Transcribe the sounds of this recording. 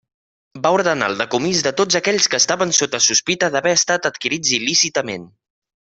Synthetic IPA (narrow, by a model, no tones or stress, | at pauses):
bauɾðəna̰lˠd̪əkumizðət̪od͡zəkɛʎskəːst̪aβənsot̪əsuspit̪əðəβɛəst̪at̪ət̪kiɾid͡zilisit̪əmen